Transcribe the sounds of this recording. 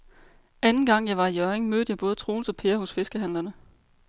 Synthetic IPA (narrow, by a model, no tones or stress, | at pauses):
ænn̩ɡ̥ɑ̈ŋ̰jɑ̈ɪʋɑ̈ijœɐeŋmøːd̥əjɑ̈ɪb̥ɔ̽ːð̞̩ˠət͡sʰʁo̝ːnsɒ̽pʰe̝ːɐɦɔ̽sfe̝sɡ̥əɦæn̰lɐnə